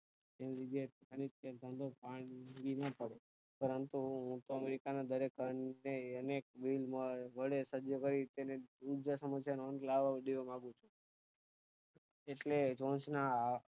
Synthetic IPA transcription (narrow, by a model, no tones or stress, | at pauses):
enɾid͡ʒet̪kənit̪̚ẽnt̪ə̃nd̪opaɽɡinapəɽe | pəɾənt̪uɦũt̪oəmeɾikanad̪əɾekəneənek̚ʋilmãʋəɽesəd͡ʒjokəɾit̪eneud͡ʒasəməsjannlaʋaɖiʋamãɡũt͡ʃʰũ | eʈled͡ʒõnsna